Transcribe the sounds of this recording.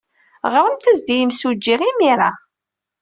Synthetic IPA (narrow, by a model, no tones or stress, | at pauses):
ʁɾˤəmt̪æzd̪ijəmsud͡ʒːiʁimiɾˤa